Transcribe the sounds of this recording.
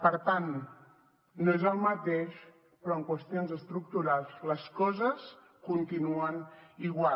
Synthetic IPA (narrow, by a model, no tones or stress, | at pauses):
pəɾt̪anː | oezəlˠmət̪eʃ | pɾɔəŋkwəst̪ionzəst̪ɾuk̚t̪uɾalˠzləskɔzəs | kunt̪inuəniɣwa